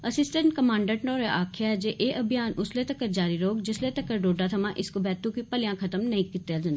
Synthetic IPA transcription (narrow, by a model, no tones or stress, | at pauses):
ɐsɪsʈə̃ɳʈkɐmãːɳɖəɾnoːɾeʔaːkʰijad͡ʑeʔeːʔɐbʱijaːnʊslet̪ɐkəɾd͡ʒaːɾiɾoːɡd͡ʑɪslet̪ɐkɐɾɖoːɖat̪ʰɐmãʔɪskobɛːt̪ũkipɐlɪjãkʰɐt̪əmnɐɦĩkɪt̪jad͡ʒɐ̃nd̪